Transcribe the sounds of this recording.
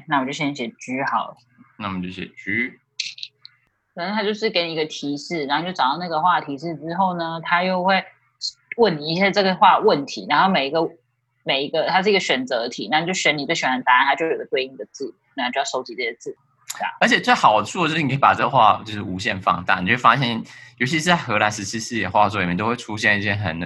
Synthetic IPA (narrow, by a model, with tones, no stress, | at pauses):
na˥˩wɔ˨˩t͡ɕo˥˩ɕɛ˥n˥˩ɕjɛ˨˩ʈ͡ʂy˧˥˩xɑ˨˩ʊl | na˥˩˨t͡ɕjo˥˩ʊɕjɛ̰˨˩ʈ͡ʂy˧˥ | kʰə˨˩nə˥t̪ʰa˥t͡ɕjo˥˧ʊʂɻ̩˥˩ke˧˥ɪni˨˩˧ɡə˧˩t̪ʰi˧˥ʂɻ̩˥˩na˧˥o˥˨t͡ɕo˥˩ɑ˨˩t̪ɑ˥˧na˥˩ɡə˩xwa˥˩t̪ʰi˧˥ʂɻ̩˥˩ʈ͡ʂɻ̩˥xo˥˩ʊnə˩t̪ʰa˥jo˥˧ʊxwe˥˩ɪ | wə˥˩ni˨˩i˧˥ɕja˥˧ʈ͡ʂɤ˥˩ɡə˩xwa˥˧wə˥˩nt̪ʰi˧˥na˧nxo˥˩ʊme˨˩ɪi˧˥ɡə˧ | me˨˩ɪi˧˥ɡə˧t̪ʰa˥ʂɻ̩˥˩i˥ə˧ɕɥɛ˨˩nt͡sɤ˧˦˥ə˧t̪ʰi˨˥na˥˩˨t͡ɕjo˥˩ɕɥɛ˧˥ni˨˩t͡ɕo˥˩ɕɥɛ˨˩a˧˥nt̪a˥a˧nt̪ʰa˥t͡ɕjo˥˩jo˨˩ɡə˩t̪we˥˧ɪi˥˩d̪ə˩t͡sɹ̩˥˩˨t͡ɕjɑ˥˩ʂo˥ʊt͡ɕi˧˥t͡se˥˩ə˩t͡sɹ̩˥˩˥ | a̰˩ə˞˧˥t͡ɕʰɛ˨˩t͡swe˥˩ɪxɑ˨˩ʊt͡sʰu˥˩˧ə˩t͡ɕo˥˩˥e˥˩pa˨˩ʈ͡ʂɤ˥˩ɡə˧xwa̰˥˧t͡ɕjo˥˧ʊʂɻ̩˥˩u˧˥ɕjɛ̰˥˧nfɑ̰˥˧ŋt̪a̰˥˩ni˨t͡ɕo˥wfa̰˥ɕjɛ˥˩njo˧˥t͡ɕʰi˧ʂɻ̩˥˧˩t͡sa˥˩ɪxɤ˧˥la˧˥nʂɻ̩˧˥t͡ɕʰi˥sɹ̩˥˧jɛ̰˨˩xwa˥˧˩t͡swɔ˥˩˨mʲjɛ˥˩t̪o˥we˥˩ɪʈ͡ʂʰu˥ɕjɛ˥˧ni˥˩t͡ɕʰjɛ˥˩xə̰˨˩n